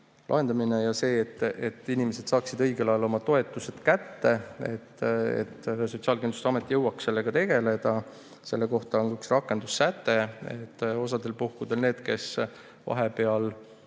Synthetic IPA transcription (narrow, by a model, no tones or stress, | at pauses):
lʔɑ̰ɦe̞nd̪̥ɑmine̞jɑse̞ːet̪ːˑet̪ːˑinimese̞d̪̥sɑːksid̪ɤ̞jɡe̞lɑjɑlo̞mɑt̪o̞e̞t̪ːˑuse̞t̪kæt̪ːe̞e̞̰t̪ːḛt̪ːsot̪siɑːlkend̪u̥st̪eɑme̞t̪ːˑijɤwːɑksse̞lːe̞ɡ̥ɑt̪e̞ɡ̥e̞le̞d̪̥ɑ | se̞lːe̞ko̞ht̪ɑonɡyksrɑkːˑe̞nd̪usːæt̪ːe̞et̪ːo̞s̬ɑd̪̥e̞lpuhkud̪̥e̞lne̞ːd̪̥ke̞s | vɑ̰ɦe̞pe̞ɑl